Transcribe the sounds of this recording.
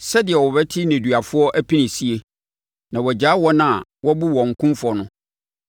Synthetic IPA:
sɛ˦dɪ˨ɛ˨wɔ˨bɛ˦tʰɪ˦nẽ˨du˨a˨fʊ˦ɔ˦ʔæ˦pʰi˦nɪ̃˨si˦e˨ | nã˨wɔ˨d͡ʑaː˨˦wɔ˦nã˦a˨wɔ˦bu˦wɔ̃˨ŋ̩˨kʰʊ̃˦mfʊ˨ɔ˨nʊ̃˦

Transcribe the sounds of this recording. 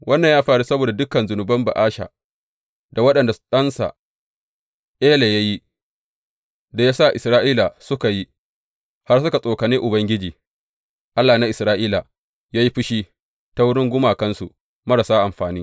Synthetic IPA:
wʔɐ˦nːɐ˨ɲjaː˦ɸaː˨ɽu˦sɐ˦boː˨da˨dʊ˦kɐ˨nzʊ˨nʊ˨bɐ˦mba̰˨ʔaː˦ʃa̰ː˨ | da˨wɐ˦ɗɐ˨nda˨ɗɐ˦nsa̰˨ | ʔeː˦le˨ja˦ji˦ | da˨jaː˦sa˦˨ʔɪ˨sɾaː˦ʔiː˦la˨sʊ˦ka˨ji˦ | ha˦rsʊ˦ka˨sʼoː˨ka˨ni˦ʔʊ˨bɐ˦ŋɡʲɪ˦d͡ʒiː˨ | ʔa˦lːaː˨na˦ʔɪ˨sɾaː˦ʔiː˦la˨ | jaː˦ji˦ɸɪ˦ʃiː˦ | ta˦wʊ˦ɽɪ˦ŋɡʷʊ˦maː˨kɐ˦nsṵ˨ | mɐ˦ɽa˨saː˦ʔa˨mɸaː˨niː˦

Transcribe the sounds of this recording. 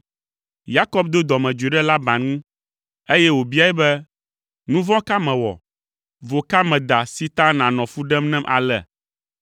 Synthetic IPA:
ja˦kɔ˦b̚d̪o˦d̪ɔ˨mɛ̃˨d͡ʒe˨ɖɛ˦la˦bã˨nũ˦ | e˦jɛ˦wo˨bi˦a˦ɛ˦bɛ˦ | nũ˦vɔ̃˦ka˦mɛ̃˨wɔ̰˨ | vo˨ka˦mɛ̃˨d̪a˨si˦t̪ã˦nã˨nɔ̃˨fu˦ɖɛ˦mnɛ̃˦mʔa̰˨lɛ̰˨

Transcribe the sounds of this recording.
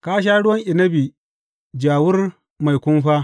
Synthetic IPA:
kaː˦ʃ̬aː˦ɽʊ˦wɐ˦ŋʔɪ˨nɐ˦bi˨ | d͡ʒaː˨wʊ˦r | ma˨jkʷʊ˦mɸaː˦

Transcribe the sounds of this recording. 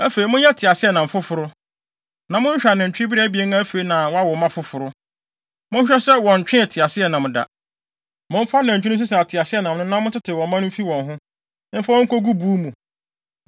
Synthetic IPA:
æ˦fe˨i˨mʊ̃˦ɲ˦jɛ˦tʰɪ˨a˨sɪ˦ɛ˨nã˨m̩˨fʊ˦fʊ˨ɾʊ˦ | nã˨mʊ̃˦ɲ˦ɕᶣa˨nɪ̃˨ɲ̩˨t͡ɕᶣɪ̃˦bi˦ɾe˦æ˦bi˨e˦n˦a˦æ˦fe˨i˨nã˨wɔ̃˦a˦wɔ˨mã˦fʊ˦fʊ˨ɾʊ˦ | mʊ̃˦ɲ˦ɕᶣɛ˦sɛ˦wɔ̃˨ɲ̩˨t͡ɕᶣɪ̃˦ɛ˨tʰɪ˨a˨sɪ˦ɛ˨nã˨m̃˨da̰˨ | mʊ̃˦m̩˦fa˦nã˨ɲ̩˨t͡ɕᶣnɪ̃˦s̬ɪ˦s̬ɪ˨a˨tʰɪ˨a˨sɪ˦ɛ˦˨nã˨m˨nʊ̃˦nã˦mʊ̃˦tʰɪ˦tʰɪ˨wɔ̃˨˦mã˦nʊ̃˦m̩˦fi˦wɔ̃˨nɦʊ̃˦ | m̩˦fa˦wɔ̃˦ŋ̩˦kʰo˦ɡu˦buː˦mũ˨

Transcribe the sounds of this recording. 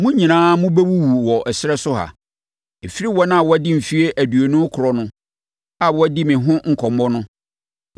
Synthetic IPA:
mʊ̃˦ɲĩ˨nãː˦mʊ̃˦bɛ˦wu˦wu˨wɔ˨ʔɛ˨sɪ˦ɾɛ˦sʊ˦ɦa̰˨ | e˨fi˦ɾi˦wɔ˦ñ˦a˨wɔ˦dɪ˦˨m̩˨fi˦e˦ʔæ˨du˨o˨nʊ̃˦kʰʊ˨ɾɔ˨nʊ̃˦ | a˨wɔ˦dɪ˦mɪ̃˨ɦʊ̃˦ŋ̩˨kʰɔ̃˨mbɔ˦nʊ̃˦

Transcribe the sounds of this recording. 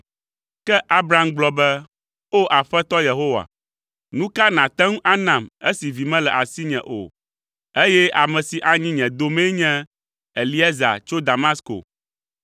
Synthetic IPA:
kɛ˦ʔa˦bɾa˦mɡ͡blɔ˨bɛ˦ | o˦ʔa˨ɸɛ˦t̪ɔ˦je˨ɦo˦wa̰˨ | nũ˦ka˦nã˨t̪ɛ̃˦ŋũ˦ʔa˦nã˨mḛ˦si˨vi˨mɛ̃˦lɛ˨ʔa˨si˦ɲɛ̰̃˨ʔo̰˨ | e˦jɛ˦ʔa˨mɛ̃˨si˨ʔa˨ɲĩ˦ɲɛ̃˨d̪o˦mɛ̃˦ɲɛ̃˦ | e˨li˦ɛ˦za̰˨t͡ʃo˦d̪a˨ma˦sko̰˨

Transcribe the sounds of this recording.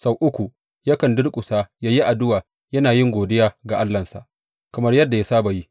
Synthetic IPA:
sa˦wʔʊ˦kʷu˨ | jɐ˦kɐ˨ndʊ˦rkʷʼʊ˨saː˦jaː˦ji˦ʔa˨dʊ˦waː˨ | jɐ˦naː˨jɪ˦ŋɡʷoː˨dɪ˦jaː˨ɡa˨ʔa˦lːɐ˨nsa̰˨ʔ | kɐ˨mɐ˦rjɐ˦dːa˨ja˦saː˦ba˨ji˦

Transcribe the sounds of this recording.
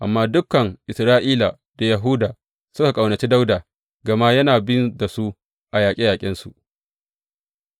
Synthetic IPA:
ʔa˨mːaː˦dʊ˦kɐ˨ŋʔɪ˨sɾaː˦ʔiː˦la˨ | d̥a˨jɐ˨ɦuː˦daː˨ | sʊ˦ka˨kʼa˨wnɐ˨t͡ʃiː˦da˦wdaː˨ | ɡɐ˨ma˦jɐ˦naː˨bɪ˦nda˨su˦ | ʔa˨jaː˨kʲʼi˦jaː˨kʲʼɪ˦nsu˨ʔ

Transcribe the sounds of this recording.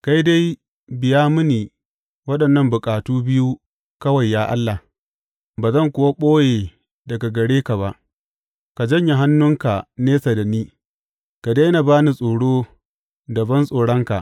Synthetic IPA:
ka˦jda˦j | bɪ˨jaː˦mʊ˦niː˨ | wɐ˦ɗɐ˨nːɐ˦mbʊ˨kʼaː˨tuː˦bɪ˦ju˦ | kɐ˦wa˨jːaː˦ʔa̰˦lːa˨ | baː˨zɐ˦˨ŋkʷʊ˨wa˦ɓʼoː˦jeː˨ | dɐ˨ɡa˨ɡɐ˨ɽeː˦ka˨βa˦ʔ | ka˨d͡ʒɐ˦˨ɲja˨ɦa˦nːʊ˦ŋka˨neː˦sa˨da˨niː˦ | ka˨da˦jna˨baː˦ni˨sʼoː˨ɽoː˦ | dɐ˨bɐ˦nsʼoː˨ɽɐ˦ŋka̰˨ʔ

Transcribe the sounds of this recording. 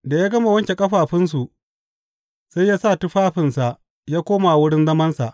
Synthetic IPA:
da˨jaː˦ɡɐ˦ma˨wɐ˦ŋkʲe˨kʼɐ˦ɸaː˨ɸɪ˦ns̬u˨ʔ | sa˦jːaː˦saː˦˨tʊ˦ɸaː˦ɸɪ˨nsa˨ʔ | jaː˦kʷoː˦ma˨a˨wʊ˦ɽɪ˦nzɐ˦mɐ˦nsa̰˨ʔ

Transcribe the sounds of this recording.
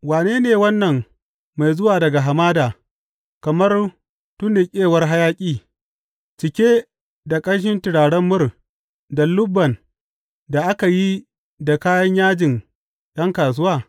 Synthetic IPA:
waː˨neː˦neː˨wɐ˦nːɐ˨ŋ | ma˨jzʊ˦waː˨dɐ˨ɡa˨ɦa˨maː˦daː˨ | kɐ˨mɐ˦r | tʊ˦nːɪ˨kʲʼeː˦wɐ˦rɦa˦jaː˦kʲʼiː˦ | t͡ʃɪ˨kʲe˦ | da˨kʼɐ˦ɽʃ̬ɪ˦ntɪ˨ɽaː˨ɽɐ˦mːʊ˦r | da˨lʊ˦bːɐ˨n | da˨ʔa˦ka˨ji˦ | da˨kaː˦jɐ˦ɲjaː˦d͡ʒɪ˨n | ɗɐ˦ŋkaː˨s̬ʊ˦waː˦

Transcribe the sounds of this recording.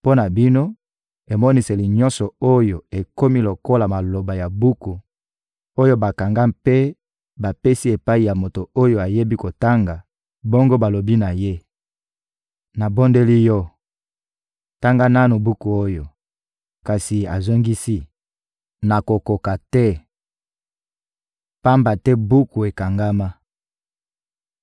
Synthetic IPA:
po˦na˨bi˦no˦ | e˨mɔ˦ni˨se˨li˨ɲɔ˦nsɔ˨o˦jo˨e˨ko˦mi˦lo˨ko˦la˨ma˨lo˨ba˨ja˨bu˦ku˨ | o˦jo˦ba˨ka˨ŋɡa˦mpe˦ | ba˨pe˦si˦e˨pa˦i˨ja˨mo˨to˨o˦jo˦a˨je˦bi˦ko˨ta˦ŋɡa˨ | bo˦ŋɡo˦ba˨lo˨bi˦na˨je˦ | na˨bo˦nde˦li˦jɔ˦ | ta˦ŋɡa˦na˦no˨bu˦ku˨o˦jo˨ | ka˨si˨a˨zo˦ŋɡi˦si˦ | na˨ko˨ko˨ka˨tɛ˦ | pa˦mba˨tɛ˦bu˦ku˨e˨ka˨ŋɡa˦ma˦

